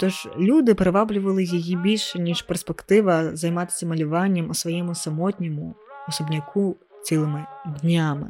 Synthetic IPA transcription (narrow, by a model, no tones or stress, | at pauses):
t̪ɔʐlʲud̪ɨpɾɐvablʲʊvɐlˠɨjɐjibʲilʲʂɐnʲiʂpɛrspɛkt̪ɪʋɐzɐjmat̪ɪ̥sʲɐmɐlʲʊvanʲːɐmɔsvʋɐjɛmʊsɐmɔt̪ʲnʲɛmʊɔsɔbnʲakʰu | t͡sʲilˠɨmɪd̪ʲnʲamɨ̰